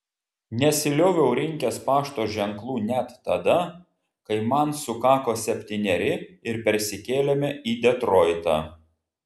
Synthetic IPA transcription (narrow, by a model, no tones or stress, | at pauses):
nʲɛsʲɪlʲoːʋʲɛʊɾʲɪŋʲkʲɛspɑːʃt̪oːʒʲɛŋklˠuːnʲɛt̪ːɐd̪ɐ | kɐɪmɐnsʊkɑːkoːsʲɛpʲt̪ʲinʲɛɾʲɪɪɾpʲɛɾʲsʲɪkʲeːlʲɛmʲɛʔiːd̪ʲɛt̪ɾɔːɪt̪ɑ̰ː